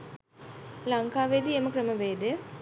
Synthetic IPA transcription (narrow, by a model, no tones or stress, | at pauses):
laŋkaːʋed̪ieməkrəməʋeːd̪ejə